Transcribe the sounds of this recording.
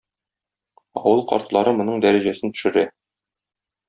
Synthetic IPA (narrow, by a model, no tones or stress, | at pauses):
ɒ̰wɤlˠqɒ̰ɾt̪lˠɑɾɤmŏnɤɴd̪æɾæʑæsɘnt̪ɵ̥̆ʃɘ̆ɾæ